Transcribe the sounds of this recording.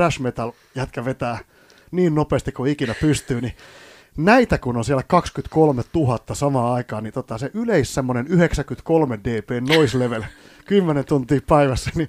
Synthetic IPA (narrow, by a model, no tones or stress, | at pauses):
ræʃmet̪ɑl | jæt̪kæʋet̪æː | niːnnopeːst̪ikuikinæpyst̪yːni | næit̪ækunonsiælækɑkskyt̪kolmett̪uhɑt̪ːɑsɑmɑːɑikɑːnit̪ot̪ːɑseʔyleissemːonenyheksækyt̪kolmedeːpeːnnoisleʋel | kymːenent̪unt̪iːppæiʋæsːæ̥ni